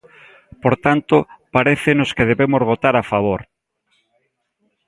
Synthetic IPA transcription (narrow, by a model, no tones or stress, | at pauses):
poɾt̪ant̪opaɾeθɪnoskeð̞eβemozβot̪aɾafaβoɾ